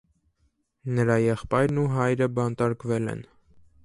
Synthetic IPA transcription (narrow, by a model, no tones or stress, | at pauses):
nəɾɑjɛχpɑjɾnuɦɑjɾəbɑnt̪ɑɾkvɛlɛ̰n